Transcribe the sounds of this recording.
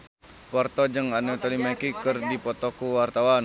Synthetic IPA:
pwart̪ɔd͡ʒɨŋanɛt̪ɔlimɛkikɨrdipɔt̪ɔkuwart̪awan

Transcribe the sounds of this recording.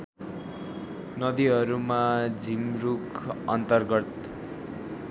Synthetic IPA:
nʌd̪iɦʌɾumad͡zʱimrukʌ̰nt̪ʌrɡʌt̪

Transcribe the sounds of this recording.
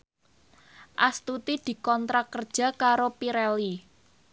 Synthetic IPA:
ʔast̪ut̪id̪̥i̤kɔnt̪ɾakərd̥ʒ̥a̤kaɾopiɾɛli

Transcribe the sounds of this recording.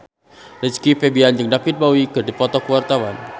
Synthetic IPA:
lət͡ʃkifebiand͡ʒɨŋdapit̪̚bawikərdipɔt̪ɔkəwart̪awan

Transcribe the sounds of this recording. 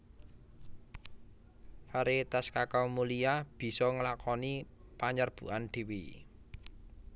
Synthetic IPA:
faɾit̪askakawmulijab̥i̤sɔŋəlakʰɔni | paɲarb̥ṳ̰ʔand̪̥i̤wi

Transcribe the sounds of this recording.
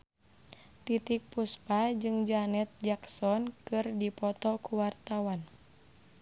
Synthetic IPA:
t̪it̪ik̚puspad͡ʒɨŋd͡ʒanɛt̪̚d͡ʒaksɔnkɨrdipɔt̪ɔkuwart̪awan

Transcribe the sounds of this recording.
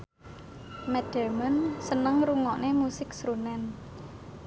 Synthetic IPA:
mɛd̥ɛmənsənəŋɾuŋɔʔnemusɪksɾunɛn

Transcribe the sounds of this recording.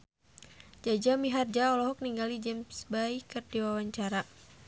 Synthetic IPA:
d͡ʒad͡ʒamiɦard͡ʒaɔlɔɦɔk̚niŋɡalid͡ʒɛmsbaikɨrdiwawaɲt͡ʃaɾa

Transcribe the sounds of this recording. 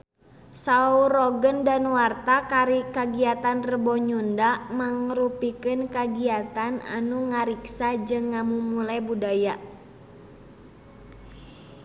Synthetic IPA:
saurɔɡəndanwart̪akaɾikaɡiat̪anrəbɔɲundamaŋrupikɨnkaɡiat̪ana̰nuŋaɾiksad͡ʒɨŋːamumulajbudaja

